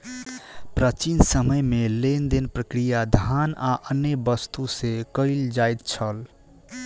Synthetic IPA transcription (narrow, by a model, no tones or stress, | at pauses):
pɾət͡ʃinsəməjmelend̪enpɾəkɾijad̪ʱanaʔənːebəst̪usekəɪld͡ʒajt̪̚t͡ʃʰəl